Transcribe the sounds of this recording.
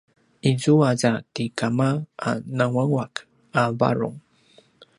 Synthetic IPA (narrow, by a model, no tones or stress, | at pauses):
izuaɟat̪ikamaa̰nawaŋwak | aba̰ɾṵŋ